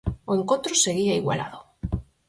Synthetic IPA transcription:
oẽŋkont̪ɾoseɣiaiɣwa̰la̰ðo

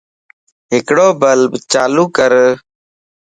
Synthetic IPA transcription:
ɦɪkɽoːbəlbt͡ʃaːluːkəɾ

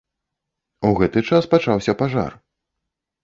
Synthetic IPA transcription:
uɣɛt̪ɨt͡ʂaspat͡ʂawsʲɐpaʐa̰r

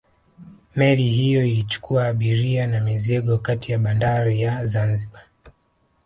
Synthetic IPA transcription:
mɛlihijɔilit͡ʃu̥kuaːɓiɾianamizɛɠɔkatijaɓandaɾijazanziɓa

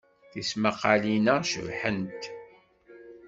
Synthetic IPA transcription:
θismaqːɑlinəʃə̰vħənt̪

